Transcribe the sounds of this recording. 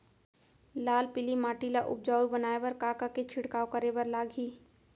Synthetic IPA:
laːlpɪlimaːʈilaʔʊ̰p̚d͡ʒaːibənaːebəɾkaːkaket͡ʃʰɪɽkaːokəɾebəɾlaːɡʱiː

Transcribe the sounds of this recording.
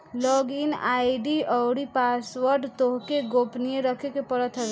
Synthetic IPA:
lɔɡinajɖiɔwɽipasʋəɾɖt̪oɦkeɡopnijeɾəkʰekepəɾət̪ʰɾ

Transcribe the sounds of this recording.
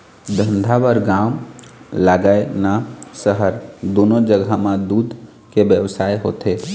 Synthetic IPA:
d̪ʱə̃nd̪ʱabəɾɡamlaɡəenasəɦəɾd̪onod͡ʒəɡʱamãd̪uːd̪ | kebjəwsaːeɦo̰t̪e

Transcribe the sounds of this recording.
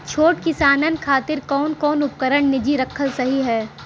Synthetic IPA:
t͡ʃʰoːʈkɪsaːnənkʰaːt̪ɪɾkɔːnkɔːnʊp̚kəɾəɳnɪd͡ʒiɾɐkʰːəlsɐɦiɦɛː

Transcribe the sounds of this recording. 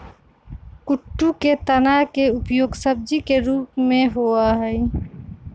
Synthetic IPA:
kʊʈːuket̪ənaɦkeʊpjoːɡsəb̚d͡ʒikeɾuːpmẽɦoaɦɛɪ

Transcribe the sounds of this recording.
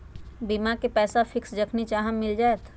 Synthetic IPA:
bimakepɛːsafʰɪksd͡ʒəkʰnit͡ʃaɦəmːɪld͡ʒaːet̪ʰ

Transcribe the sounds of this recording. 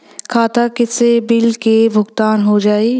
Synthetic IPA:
kʰaːt̪akɪsebɪlkebʱʊɡt̪aːnɦod͡ʒaːeː

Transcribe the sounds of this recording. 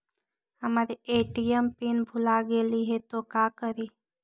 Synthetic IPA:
əmaːɾieːʈiəmpinbʱulaɡeːliɦet̪okakəɾi

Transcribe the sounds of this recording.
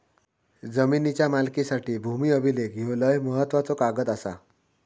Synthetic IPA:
d͡zəminit͡ɕjamalkisaʈiːbʱumiːəbʱilek̚ɡʱewləjməɦət̪ːʋat͡sokaɡət̪asa̰

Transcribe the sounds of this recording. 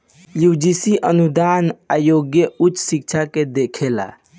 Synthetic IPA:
jud͡ʒisiʔənud̪anajoɡjəutːsik̚t͡ʃʰaked̪ekʰela̰

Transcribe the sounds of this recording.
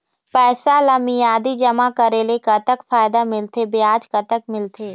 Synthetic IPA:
pɛːsalɐmijaːd̪id͡ʒɐmakəɾeːlekɐt̪əkfaːɪd̪amɪlt̪ʰebɪaːd͡ʒkət̪ək̚mɪlt̪ʰeː

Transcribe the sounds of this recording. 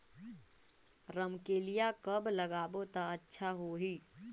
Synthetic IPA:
ɾəmkeːlɪjakəbləɡaːbot̪aətːʃʰaɦoɦiː

